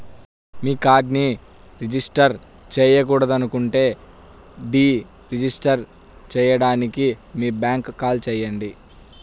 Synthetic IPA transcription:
miːkaːɾɖni | ɾid͡ʒisʈɐɾ | t͡ʃɛːjɐk̬uːɽɐd̪ɐnukuɳʈe̞ː | ɖiː | ɾid͡ʒisʈɐɾ | t͡ʃɛːjɐɽaːnikimiːbaːŋkkːaːlt͡ʃɛːjːɐɳɖi

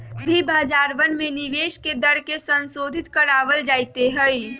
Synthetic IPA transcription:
bʱibaːd͡ʒaːɾʋənmẽnɪʋeːʃked̪əɽkesə̃nsoːd̪ʱɪt̪kəɾaːʋəld͡ʒaːɪt̪eɦɛi

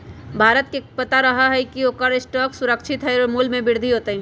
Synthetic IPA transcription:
bʱaːɾət̪kepət̪aɾəɦəɦɛikioːkəɾɪsʈɔːksʊɾəkt͡ʃʰɪt̪ɦɛjɔɾmulmẽbɪɾd̪ʱiɦoːt̪əɦĩ

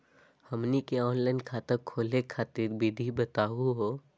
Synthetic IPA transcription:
hɐmnikeɔːnlaːɪnkʰaːt̪əɾkʰoːlekʰaːt̪ɪɾbid̪ʱibɐt̪aːɦuɦoː

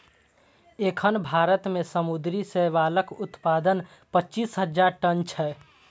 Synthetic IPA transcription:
ekʰənbʱaːɾət̪mẽsəmud̪ɾiseʋaːləkʊt̪paːd̪ən | pəːt͡ʃiːsɦəd͡ʒaɾʈənt͡ʃʰɛː

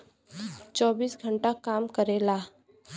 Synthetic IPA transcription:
t͡ʃɔːbiːsɡʱəɳʈakaːmkəɾeːlaː

